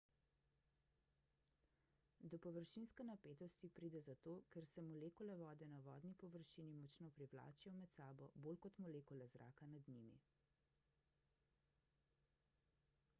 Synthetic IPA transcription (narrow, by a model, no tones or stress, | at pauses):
d̪ɔpɔʋəɾʃinskɛnapeːt̪ɔst̪ipɾiːd̪ɛzat̪oːkɛɾsɛmɔleːkɔlɛʋɔːd̪ɛnaʋɔ̰ːd̪nipɔʋəɾʃinimɔt͡ʃnopɾiʋla̰ːt͡ʃijɔwmɛt̪saːbɔboːlkɔt̪mɔleːkɔlɛzɾa̰ːkanad̪nimḭ